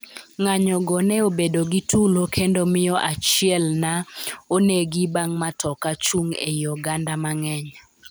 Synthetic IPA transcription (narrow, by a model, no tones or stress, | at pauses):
ŋaɲɔɡɔnɛobedoɡitʰulokʰendomɪjɔʔat͡ʃɪɛlnaoneɡibaŋmatʰɔkat͡ʃuŋḛjɔɡandamaŋɛɲa